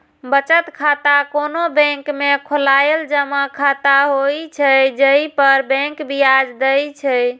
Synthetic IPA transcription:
bət͡ʃət̪kʰat̪akonobɛ̃ŋkmekʰolajeld͡ʒəmakʰat̪aɦojt͡ʃʰɛd͡ʒəipəɾbɛ̃ŋkbijad͡ʒd̪əjt͡ʃʰɛ

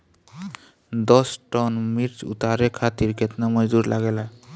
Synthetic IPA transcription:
d̪ɔsʈɔnmiɾt͡ʃṵt̪aɾekʰat̪iɾkɛt̪namɔzuɾlʔaɡɛla

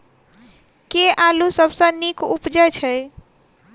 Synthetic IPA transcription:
keʔalusəbʱsə̃nikupd͡ʒəjt͡ʃʰəj

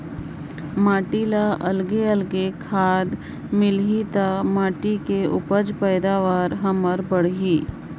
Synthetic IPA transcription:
maːʈiːlaʔɐlɡeəlɡekʰaːd̪ | mɪlɦit̪aːmaːʈikeʊ̰pəd͡ʒpɛːd̪aːʋaːɾɦɐməɾbəɽ̤ɦiː

